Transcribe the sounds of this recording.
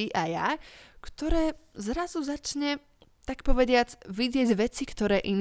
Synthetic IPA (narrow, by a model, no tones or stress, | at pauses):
iʔajakt̪ɔɾɛːzɾazuzat͡ʃɲɛ | t̪akpɔʋɛdɪat͡sʋiɟɪɛɟʋɛt͡sikt̪ɔɾɛːʔin